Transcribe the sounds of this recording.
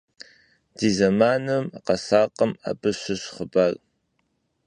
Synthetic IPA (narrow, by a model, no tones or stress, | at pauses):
d̥iːzɐmaːnɨmqɐsaːqɐma̰ːbɨɕɨɕχəbar